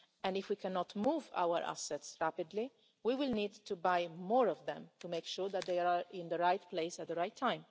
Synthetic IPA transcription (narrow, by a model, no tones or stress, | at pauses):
ɛ̃ndɪfwikʰɛnɔt̪muːva̰wəɾʔa̰sɛtsɹæpɪd̪li | wiwɪlniːd̚t̪ubajmɔːɾɔvd̪ɛ̃mt̪umekʃuːɾd̪æt̪̚d̪eɪɪ̃nd̪əɾajt̪pleɪsæt̪̚d̪əɾaɪt̪ʰːãɪ̃m